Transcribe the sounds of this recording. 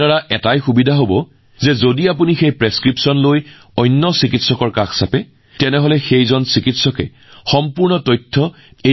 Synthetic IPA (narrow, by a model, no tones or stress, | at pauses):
aɹaʔɛtajxubidʱaɦobɔ | zɛzodiap̬unixejpɹeskɹipsɔnloj | ɔjnːɔsikitsɔkɔɹkaxsapɛ | tɛnɛɦolɛxejzɔnsikitsɔkɛ̰ | xɔmpuɹnɔtɔjtʰːɔ | e